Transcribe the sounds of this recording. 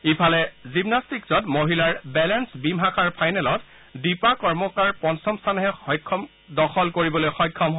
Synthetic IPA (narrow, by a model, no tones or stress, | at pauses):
ipʰalɛzimnastikzɔtmoɦilaɹbɛlɛnsbimɦakʰaɹpʰajnɛlɔt | dipakɔɹmɔkaɹpɔnsɔmstʰanɦɛxɔjkʰːɔm | dɔxɔlkoɹibɔlojxɔjkʰːɔmɦo